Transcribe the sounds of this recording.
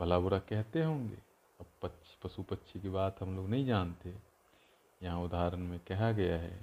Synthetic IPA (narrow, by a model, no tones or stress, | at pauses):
bʱəlabʊɾakɛɦt̪eɦõːŋɡḛː | ɐbpətːʃʰpɾɐsupətːʃʰikebaːt̪ɦɐmloːɡnɐɦĩd͡ʒaːnt̪e | jɐɦãʊd̪aːɾənmẽkɛɦaɡɐjaɦɛ̰ː